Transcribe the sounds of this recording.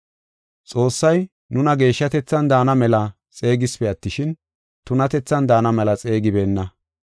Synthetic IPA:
t͡sʼo̞ːsːɐj | nʊnɐɡe̞ːʃːɐt̪ɛt͡sːɐnd̪aːnɐmɛlɐ | t͡sʼe̞ːɡɪspɛɐt̪ːɪʃɪn | t̪ʊnɐt̪ɛt͡sːɐnd̪aːnɐmɛlɐt͡sʼe̞ːɡɪbe̞ːnːɐ

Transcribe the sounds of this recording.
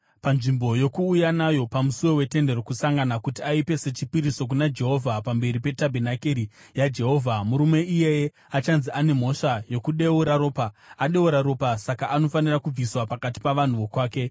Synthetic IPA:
panʐimbo̞jo̞kuːjanajo̞pamusuwo̞we̞te̞nde̞ro̞kusaŋɡanakutiaipe̞se̞t͡ʃipiɾiso̞k̬unad͡ʒe̞ɦo̞vʱapambe̞ɾipe̞tabʱenakeɾijad͡ʒe̞ɦo̞ːvʱamuɾume̞ʔije̞je | at͡ʃanziʔane̞m̤o̞ʂajo̞kuɗe̞uɾaɾo̞ːpaaɗe̞uɾaɾo̞pasakaʔano̞fanirakub͡viswapakat̬i̥paʋan̤uʋo̞kwaːke̞

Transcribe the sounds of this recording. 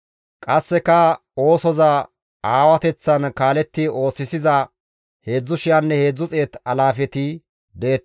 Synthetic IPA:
kʼɐsːɛkɐ | o̞ːsɔzɐ | aːwɐt̪ɛt͡sːɐnkaːlɛt̪ːɪo̞ːsːɪsɪzɐ | he̞ːd͡zːʊʃɪjɐnːɛhe̞ːd͡zːʊt͡sʼeːt̪ɐlaːfɛt̪ɪ | d̪ɛɛt̪ː

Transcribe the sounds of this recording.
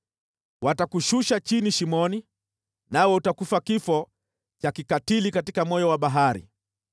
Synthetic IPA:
watakuʃuʃat͡ʃiniʃimɔni | nawɛutakufakifɔ | t͡ʃakikatilikatikamɔjɔwaɓaɦaɾḭ

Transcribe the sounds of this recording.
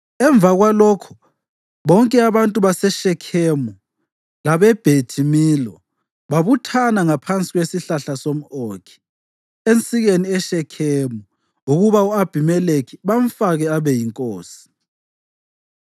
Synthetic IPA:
ɛɱb̪vʱaɣwalɔkʰu̥ | βɔŋkʼɛaβantʼuβasɛʃɛkʰɛmu | laβɛb̥ʱetʰimilɔ | βaβutʰanaŋapʰant͡sʼiɣwesiɬaɬasom̩oːkʰi̥ | ent͡sʼiɣeniɛʃɛkʰemu | uɣuβauab̥ʱimɛlekʰiβaɱ̩faɣɛaβɛjiŋkʼoːsi̥

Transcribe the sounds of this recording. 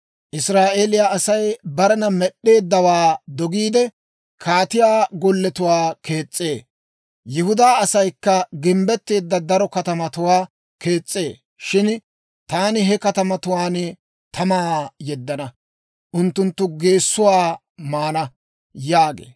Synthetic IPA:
ʔɪsɾaːʔeːlɪjaːʔɐsɐjbɐɾɛnɐmɛɗːe̞ːd̪ːɐwaːd̪ɔɡiːd̪ɛ | kʰaːt̪ɪjaːɡɔlːɛt̪ʊwaːke̞ːt͡sʼːe̞ː | jɪhʊd̪aːɐsɐjkːɐɡɪmbɛt̪ːe̞ːd̪ːɐd̪ɐɾɔkɐt̪ɐmɐt̪ʊwaː | ke̞ːt͡sʼːe̞ː | ʃɪn | t̪aːnɪɦɛkɐt̪ɐmɐt̪ʊwaːn | t̪ʰɐmaːjɛd̪ːɐnɐ | ʔʊnt̪ːʊnt̪ːʊɡe̞ːsːʊwaː | maːnɐ | jaːɡḛː

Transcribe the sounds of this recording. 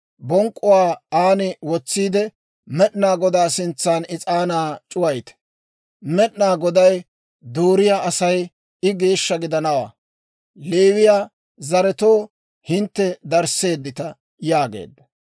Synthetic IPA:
bɔŋkʼːʊwaːaːnɪwɔt͡sːiːd̪ɛ | mɛɗnaːɡɔd̪aːsɪnt͡sːaːnɪt͡sʼaːnaːt͡ʃʼʊwɐjt̪ɛ̥ | mɛɗnaːɡɔd̪ɐj | d̪oːɾɪjaʔɐsɐj | ɪɡe̞ːʃːɐɡɪd̪ɐnɐwa̰ː | leːwɪjaː | zɐɾɛt̪oː | hɪnt̪ːɛd̪ɐɾse̞ːd̪ːɪt̪ɐ | jaːɡḛːd̪ːɐ

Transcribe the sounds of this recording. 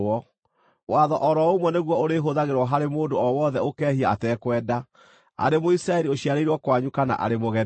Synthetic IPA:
ɔ | waðɔʔɔɾɔomwɔneɣwɔoɾeɦoðaɣeɾwɔɦaɾemoːndoɔwɔðɛokɛːɦiaatɛːkwɛːda | a̰ɾemoisɾaɛɾioɕiaɾeiɾwɔkwaɲukana̰ʔa̰ɾemoɣɛ

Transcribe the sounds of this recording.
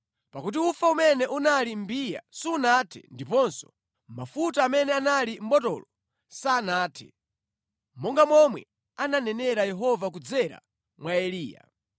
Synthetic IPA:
pakut̬iufaumɛnɛʔunalim̩bija̰siːnatʰɛ̰ndipɔnsɔ̥ | mafutaːmɛnɛanalim̩bɔtɔ̰lɔ | saːnaːtʰɛ̰ | mɔŋɡamɔmwɛ | ananɛnɛɾajɛɦɔvakud͡zɛɾa̰ | mwaɛliːja̰

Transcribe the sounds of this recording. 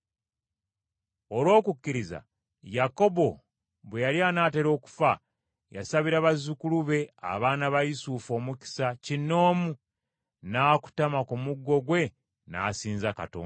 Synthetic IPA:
o̞lwo̞ːkukːiɾiza̰ | jako̞bo̞ | βwejaljaːnaːte̞ɾo̞ːku̥fa | ja̰saβiɾaβazukuluβe̞a̰βaːnaβajisufo̞ːmuki̥sacinːo̞ːmu | naːku̥tamakumuɡːo̞ɡwe̞ | na̰ːsiːnzaka̰to̰ː

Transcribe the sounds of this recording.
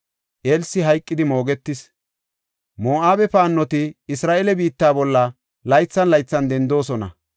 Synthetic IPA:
ʔeːlsɪɦɐjkʼːɪd̪ɪmo̞ːɡɛt̪ːɪs | moːʔaːbɛpaːnːɔt̪ɪɪsɾaːʔelɛbiːt̪ːaːbɔlːɐ | lɐjt͡sːɐnlɐjt͡sːɐnd̪ɛnd̪o̞ːsɔnɐ̰

